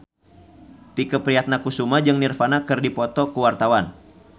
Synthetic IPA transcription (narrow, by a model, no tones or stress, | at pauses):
t̪ikəpɾiat̪̚nakusumad͡ʒɨŋnirfanakɨrdipɔt̪ɔkuwart̪awan